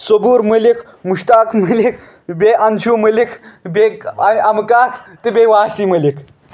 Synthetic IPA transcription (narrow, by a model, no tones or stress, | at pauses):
soɡuːɾməlikʰ | muʂt̪akʰməlik̚ʰ | beʔant͡ʃʰuməlikʰbeaamkakʰt̪ebeʋasiməlikʰ